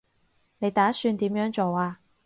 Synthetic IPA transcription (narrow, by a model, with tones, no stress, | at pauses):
ne˨˧jt̪aː˨˥syː˧nt̪iː˨˥mjœː˨˥ŋt͡so˨waː˧